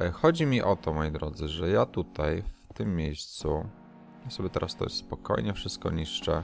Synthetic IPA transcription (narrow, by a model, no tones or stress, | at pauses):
xɔd͡ʑimʲiʔɔt̪ɔmɔjid̪ɾɔd̪zɘʐɛjat̪ut̪ajft̪ɘmːʲjejst̪su | jasɔbʲjɛt̪ɛɾʔast̪ɔ̰jɛ̰sspɔkɔ̰jɲɛfʂɘst̪̚kɔ̰ɲiʂt͡ʂɛ